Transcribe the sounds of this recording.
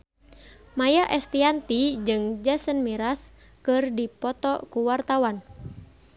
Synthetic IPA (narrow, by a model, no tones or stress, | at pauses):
majaʔɛst̪iant̪id͡ʒɨŋd͡ʒasənmiɾas | kɨrdipɔt̪ɔkuwart̪awan